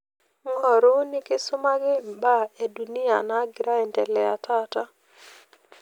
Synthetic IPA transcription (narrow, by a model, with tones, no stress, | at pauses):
ŋɔ˨ɾo˦nɪ˦kɪ˦sʊ˦ma˦ɡɪ˦ba˦˨e˨du˨ni˦a̰˨na˨˦ɡɪ˨ɾa˦ɛ˨ntɛ˨lɛ˨a̰˨ta˦ta˦